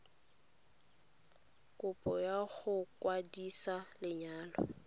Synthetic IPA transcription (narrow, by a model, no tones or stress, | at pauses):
kʼʊpʼɔjaɣʊkwadisalɪɲaːlɔ̰